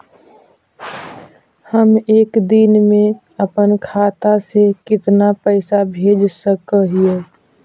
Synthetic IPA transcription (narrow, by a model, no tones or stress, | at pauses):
həmeːkd̪inmẽ | əpənkʰaːt̪asekɪt̪napəɪsabʱeːd͡ʒsəkəɦie